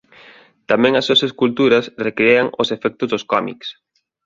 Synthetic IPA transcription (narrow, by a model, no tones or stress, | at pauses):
t̪amɛ̃ŋɐsːuɐseskult̪uɾɐsrekɾeaŋʊsefɛk̚t̪ʊzðʊskɔmḭks